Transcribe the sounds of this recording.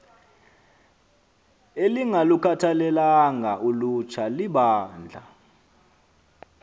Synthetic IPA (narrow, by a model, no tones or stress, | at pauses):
eliŋalukʰatʰalɛlaŋʱaʔulut͡ʃʰaliɓaːnd͡ɮʱa